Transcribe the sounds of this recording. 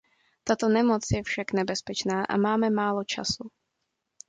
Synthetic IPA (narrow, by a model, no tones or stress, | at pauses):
t̪at̪o̞nɛmot͡sjɛfʃaknɛbɛspɛt͡ʃnaːʔa̰maːmɛmaːlot͡ʃa̰su